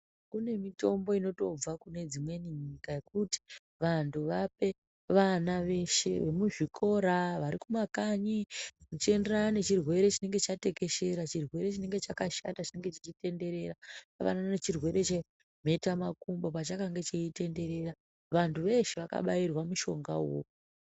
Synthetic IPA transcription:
kune̞mito̞mbo̞ino̞to̞b͡vakune̞d͡zimwe̞niɲikaje̞k̚uti̥ | ʋantʰuʋape̞ | ʋanaʋe̞ʃe̞̰ʋe̞muʐikʰo̞ɾaʋaɾikumakaɲinot͡ʃe̞nderanane̞t͡ʃirwe̞ɾe̞t͡ʃine̞ŋɡe̞t͡ʃate̞ke̞ʃe̞ɾat͡ʃirwe̞ɾe̞t͡ʃine̞ŋɡe̞t͡ʃakaʃatat͡ʃine̞ŋɡe̞t͡ʃit͡ʃite̞nde̞ɾe̞ɾapa̰ʋa̰naanet͡ʃirwe̞ɾe̞t͡ʃe | m̤e̞tamakumbo̞pat͡ʃakaŋɡe̞t͡ʃeite̞nde̞ɾe̞ɾa | ʋantʰuʋe̞ʃe̞ʋaka̰ɓajirwamuʃo̞ŋɡa̰wo̰

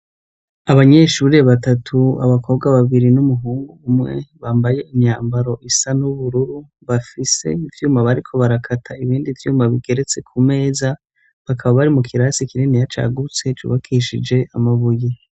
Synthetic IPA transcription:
aβaɲe̞ʃuːɾe̞βatatʰua̰βakʰo̞bɡaβaβiɾinumuɦuːŋɡuːmŋe̞̰βaːmbaje̞imɲaːmbaɾo̞ʔisanuβuɾuɾu | βafise̞̰ivjuːmaβaɾikʰo̞βaɾakʰatʰaiβiːndivjuːmaβiɡ̥e̞ɾe̞t͡se̞kʰume̞ːza | βakʰaβaβaɾimukʰiɾaːsikiɾenijat͡ʃa̰ɡut͡se̞t͡ʃṵβakʰiʃid͡ʒe̞amaβuji

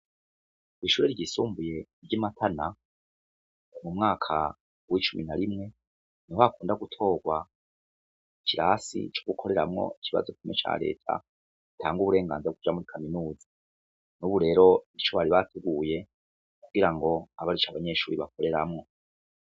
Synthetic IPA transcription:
iːʃuːɾeɾɟisuːmbuje̞ɾɟimatʰana | mumŋaːkʰa | wit͡ʃuminaɾimŋe̞ | nihoakuːndaɡutʰo̞ːɡwa | icʰiɾasḭt͡ʃoɡukʰo̞ɾe̞ɾamŋo̞̰icʰiβa̰zokumet͡ʃa̰ːɾe̞̰ːtʰa̰ | itʰaːŋɡuβuɾe̞ːŋɡa̰ːnzeɡud͡ʒamuɾikʰaminuːzi | nuβuɾe̞ːɾo̞it͡ʃo̞βaɾiβatʰeɡuːje̞ | kuɡ̥iɾaŋɡo̞aβaɾit͡ʃaβaɲe̞ːʃuːɾiβak̚o̞ɾe̞ɾamŋo̞

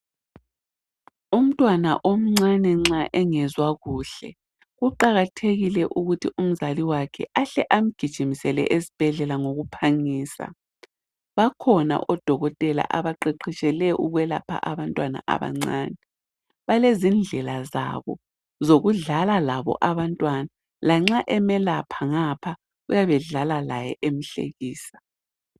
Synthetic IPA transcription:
um̩tʼwana̰ʔom̩ŋ͡ǀanɛŋ͡ǀaʔɛŋɛzwaɣuɬɛ̰ | ɣuǃaɣatʰeɣilɛʔuɣutʰium̩zaliwakʰɛ̰ʔaɬɛʔam̩ɡ̥ʱid̥ʒ̥ʱimisɛlɛ̰ʔezib̥ʱɛɮɛlaŋoɣupʰaŋiːsa̰ | βakʰɔna̰ʔɔd̥ʱɔɣɔtʼɛla̰ʔaβaǃeǃʰit͡ʃʼɛlɛʔuɣwɛla̰pʰa̰ʔaβantʼwana̰ʔa̰βa̰ŋ͡ǀaːnɛ | βalezind͡ɮʱɛlaza̰βɔ̰ | zoɣuɮalalaβɔ̰ʔaβantʼwana | laŋ͡ǁaʔɛmɛlapʰaŋapʰa | ɣujaβɛɮalalajɛ̰ʔem̩ɬḛɣiːsḁ

